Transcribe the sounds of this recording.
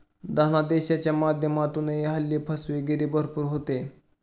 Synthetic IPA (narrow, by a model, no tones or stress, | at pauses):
d̪anad̪eɕat͡ɕjamad̪ʱjəmat̪uːnejeɦəlːipʰəsʋeɡeɾiːbəɾpuːɾɦot̪e